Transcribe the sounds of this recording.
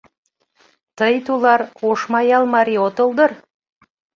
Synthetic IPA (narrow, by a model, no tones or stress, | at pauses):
t̪ɤjt̪ulˠɑɾoʃmɑjɑlˠmɑɾiot̪ɤ̆lˠd̪ɤɾ